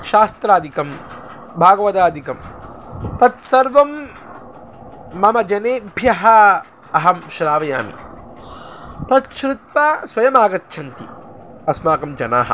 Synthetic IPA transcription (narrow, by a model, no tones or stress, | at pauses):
ʃaːst̪ɾaːd̪ʱikɐm | bʱaːɡɐʋɐt̪aːd̪ʱikɐm | t̪ɐt̪sɐɾʋɐm | ɐmɐd͡ʒɐneːbʱjɐɦɐ | ɐɦɐmʃɾaːʋɐja̰ːmḭ | t̪ɐt̪ʃɾɪt̪̚ʋaːsʋɐjɐmaːɡɐt̪ːʃʰɐnk̪iɐsmaːkɐmd͡ʒɐna̰ːɦɐ̰